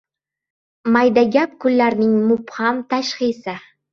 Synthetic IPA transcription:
majd̪aɡʲap̚kʉlːæɾnɪŋmʊphɑmt̪ʰaʃχijsɪ

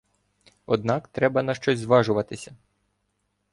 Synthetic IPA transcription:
ɔd̪̚nɑkt̪ɾɛbɐnɐʃt͡ʃɔzʲzʋɑʒʊʋɐt̪ɪsʲɐ

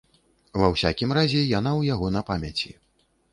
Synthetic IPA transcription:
vɐwsʲa̰kʲimrazʲɛjanawjaɣɔnɐpamʲɐt͡sʲi

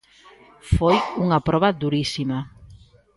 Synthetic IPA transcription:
fojuŋɐpɾɔβɐðuɾisimɐ

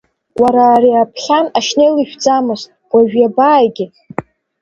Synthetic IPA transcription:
waɾaːɾiapʰχʲanaʃnejlɨʃᶣd͡zamɨstʷaʒᶣjabaːjɡʲɪ

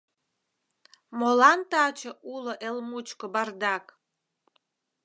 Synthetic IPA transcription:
molɑnt̪ɑt͡ɕəʔuloʔelmut͡ɕkobɑrd̪ɑk

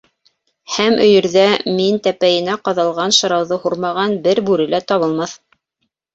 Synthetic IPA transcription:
hæmʔɵ̆jɘ̆ɾðæmint̪æpæjɘ̆næqɑðɑlˠʁɑnʃɤ̆ɾɑwðɤhuɾmɑʁɑnbɘɾbʉɾɘ̆læt̪ɑβɤ̆lˠmɑθ

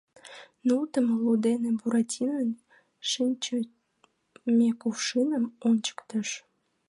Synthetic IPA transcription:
nult̪əmlud̪enebuɾɑtʲʰinən | ʃinʲt͡ɕə | mekufʃinəmonʲt͡ɕə̥kt̪əʃ

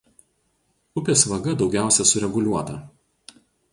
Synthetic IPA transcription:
ʊpʲeːsʋɐɡɐd̪ɒʊɡʲæˑʊsʲɛsʊɾʲɛɡʊlʲuɔt̪ɐ

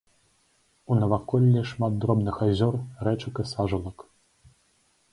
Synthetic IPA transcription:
unɐvakɔlʲːiʂmat̪̚d̪ɾɔbnɨxazʲɔrrɛt͡ʂɐkɨsaʐulˠɐk

